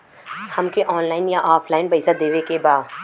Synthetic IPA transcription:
hɐmkeʔɔːnlaːɪnjaʔaːpʰlaːɪnbɐɪsad̪eːʋekebaːd̪

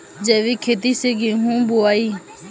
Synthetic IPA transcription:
d͡ʒeːʋiːkʰeːt̪̬iːseːɡĩːɦũːboaːiː

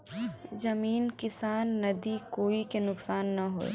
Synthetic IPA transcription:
zɐmiːnkɪsaːnːɐd̪ikoːikenʊksaːnːɐɦo̰ːḛ

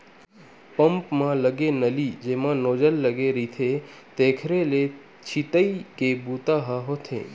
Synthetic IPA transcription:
pəmpmãləɡenəlid͡ʒeːmãnoːd͡ʒəlːəɡeɾit̪ʰe | t̪eːkʰɾele | t͡ʃʰit̪əikebuːt̪aɦaɦot̪ʰḛ̃ː

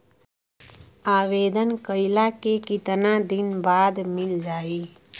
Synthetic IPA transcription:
aːʋeːd̪ənkəɪlakekɪt̪nãd̪ɪnbaːd̪mɪld͡ʒaːiː

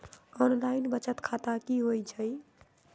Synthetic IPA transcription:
ɔnlainbət͡ʃət̪kʰat̪akiɦojt͡ʃʰəj

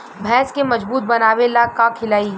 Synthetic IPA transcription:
bʱɛːskemɐd͡ʒbuːt̪̚bɐnaːʋelaːkakʰɪlaːi

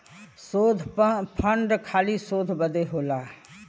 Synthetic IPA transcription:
soːd̪ʱpʰəɳɖkʰaːlisoːd̪ʱbəd̪eɦoːlaː

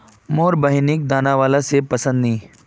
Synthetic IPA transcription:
moːɾbəɦnɪk̚d̪aːnaʋaːlasepɐsə̃nd̪nĩː

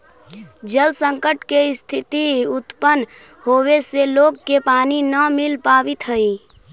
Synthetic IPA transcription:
d͡ʒəlsəŋkəʈkest̪ʰɪt̪iut̪pən | howeseloɡ̚kepaːninəmilpaːʋit̪ɦəi

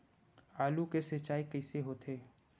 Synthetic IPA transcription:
aːlukesət͡ʃaːikɐɪseɦoːt̪ʰeː

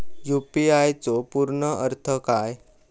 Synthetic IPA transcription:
jupiajt͡sopuɾɳəʔəɾt̪ʰəkaj

